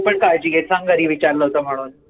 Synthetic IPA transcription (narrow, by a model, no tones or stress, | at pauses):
pəɳkajt͡ɕiɡet̪sãŋɡəɾiːʋit͡ɕaɾləɦot̪əm̤əɽ̃uːn